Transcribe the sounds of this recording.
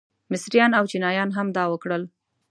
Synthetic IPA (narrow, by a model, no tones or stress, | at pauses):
mɪsɾijɑnawt͡ʃinɑjɑnɦamd̪ɑwəkɽəl